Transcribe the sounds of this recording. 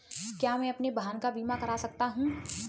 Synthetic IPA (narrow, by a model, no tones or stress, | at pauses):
kjaːmɛ̃ɐpnebʱaːnkabiːmakɐɾasɐk̚t̪aɦũ